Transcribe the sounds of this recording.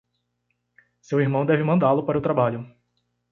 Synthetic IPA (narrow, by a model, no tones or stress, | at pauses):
sewiɾmɐ̃w̃d̪ɛvɪmɐ̃nd̪alʊpaɾɐʊt̪ɾabaʎʊ